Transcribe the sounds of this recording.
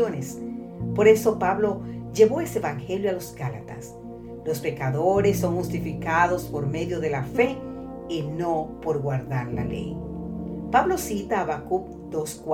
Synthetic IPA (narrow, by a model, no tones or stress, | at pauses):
ones | po̞ɾe̞so̞paβlo̞d͡ʒe̞βo̞eseβaŋxe̞ljoalo̞zɡalat̪a̰s | lo̞spe̞kaðoɾesːo̞ŋxust̪ifikaðo̞spo̞ɾme̞ðjo̞ðe̞lafe̞ | ino̞po̞ɾɣwaɾðaɾla̰lḛj | paβlo̞sit̪aːβakup | d̪̥osk